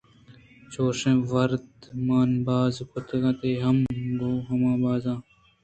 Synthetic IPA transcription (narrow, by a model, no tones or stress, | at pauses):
t͡ɕoːʂẽːʋɐɾd̪maːnbaːzkʊt̪ʰɡãːt̪eːɦɐmboːɦɐmãːbaːzãː